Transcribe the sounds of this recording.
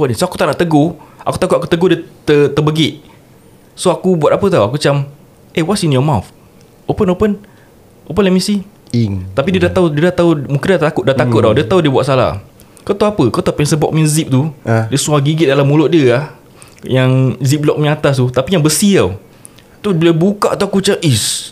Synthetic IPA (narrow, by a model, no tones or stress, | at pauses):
wɔʔnĩsoaku̥t̪aʔnaʔt̪əɡoʔakut̪akut̪ʔ̪̚aku̥t̪əɡodiət̪ət̪əbəɡɪʔ | soakubuat̪apət̪awakut͡ʃam | ʔewɔtsinjɔmawf | ʔopənopən | ʔopənlɛmisi | t̪apidiədat̪audiədat̪aumũŋkɪndat̪akʊt̪ʔ̚daʔt̪akʊt̪̚dawdiət̪audiəbuatʔ̪sala̰ | kawt̪awapəkaut̪apɛnsəbɔ̰k̚mĩnzip̚t̪udiəsuaɡiɡɪt̪̚dalamːulʊʔ̚diəlah | jaŋzip̚lɔk̚mĩŋat̪ast̪ut̪apijaŋbəsiaw | t̪uləbuka̰ʔt̪uakut͡ʃaʔis